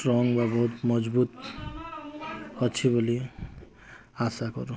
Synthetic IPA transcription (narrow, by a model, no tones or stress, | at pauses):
ʈrɔŋɡbabʌɦut̪mʌd͡zbut̪ | ʌt͡ʃʰibʌli | asakʌ̰ɾu